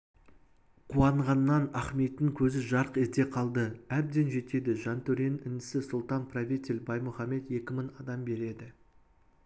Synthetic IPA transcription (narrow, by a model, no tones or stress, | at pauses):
qʰuwɑɴʁɑnːɑnɑχme̞t̪ːɪŋkʲʰɵzɪʒɑɾəqezd̪e̞qʰɑlˠd̪əæb̚d̪e̞nʒe̞t̪e̞d̪ɪʒɑnt̪ʰɵɾe̞nɪnɪsɪsʊlˠt̪ɑnpʰrovʲit̪ʲelʲbɑjmʊχɑme̞t̪je̞kʲɪmɪŋɑd̪ɑmbe̞ɾe̞d̪ɪ